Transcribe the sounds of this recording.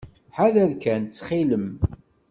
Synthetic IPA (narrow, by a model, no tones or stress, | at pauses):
ħaðælkænt͡sːχiləm